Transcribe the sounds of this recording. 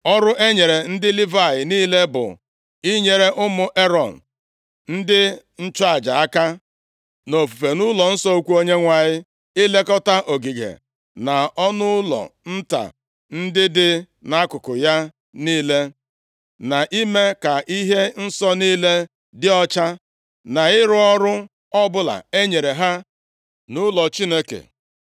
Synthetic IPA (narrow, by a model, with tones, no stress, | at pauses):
ɔ˦ɾʊ˦ʔe˦ɲe˨ɾe˨n̩˦dɪ˦li˦va˨jɪ˨niː˦le˦bʊ̰˨ | i˦ɲe˨ɾe˦ʔʊ˦mʊ˦ʔe˦ɾɔ˨n̩˨ | n̩˦dɪ˦n̩˦t͡ʃɔ˦a˨d͡ʒa˨a˦ka˦ | no˨fu˨pe˨nʊ˦lɔ˨n̩˦sɔ˦o˦kʷu˦o˦ɲe˦ŋʷa˨ɲɪ˦ | i˦le˦kɔ˦ta˦ʔo˨ɡi˨ɡḛ˨ | na˨ɔ˦nʊ˦lɔ̰˨n̩˦ta̰˨ | n̩˦dɪ˦dɪ˦ | na˦kʊ˨kʊ˨ja˦ | niː˦le˦ | na˨ʔi˦me˦ka˨ʔi˦ɦe˦n̩˦sɔ˦niː˦le˦ | dɪ˦ɔ˦t͡ʃa˦ | na˨ɪ˦ɾʊ˦ɔ˦ɾʊ˦ | ɔ˦bʊ˦la̰˨e˦ɲe˨ɾe˨ɦa˦ | nʊ˦lɔ˨t͡ʃi˦ne˦kḛ˨